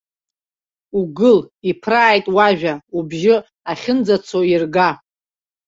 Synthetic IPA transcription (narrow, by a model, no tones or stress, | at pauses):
uɡɨlipʰraːjtʼwaʒᶣaubʒɪ | aχʲɪnd͡zat͡sʰoirɡa